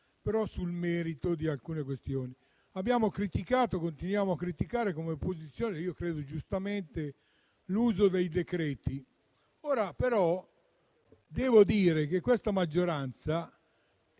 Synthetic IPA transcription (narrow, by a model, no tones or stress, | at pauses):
peɾɔsulmɛːɾit̪od̪ialkuːnekwest̪joːni | abːjaːmokɾit̪ikaːt̪okont̪inwjaːmoakːɾit̪ikaːɾekomeopːozit̪sːjoːneiːokɾeːd̪od͡ʒust̪ament̪e | luːzod̪ejd̪ekɾɛːt̪i | oːɾapeɾɔ | d̪ɛːvod̪iːɾek̟ekːwest̪amad͡ʒːoɾant̪sa